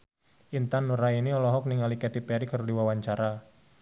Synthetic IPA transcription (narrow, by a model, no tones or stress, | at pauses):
ʔint̪anːuɾainiɔlɔɦɔk̚niŋalikɛt̪ipɛɾikərdiwawaɲt͡ʃaɾa